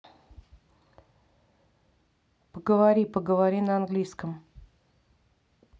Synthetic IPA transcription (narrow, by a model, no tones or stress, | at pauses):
pəɡəvɐɾʲipəɡəvaɾʲinəanɡlʲiskəm